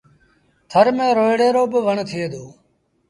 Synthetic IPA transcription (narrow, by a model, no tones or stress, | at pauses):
t̪ʰəɾmẽːɾoːɪɽeːɾoːbəʋəɳt̪ʰɪeːd̪oː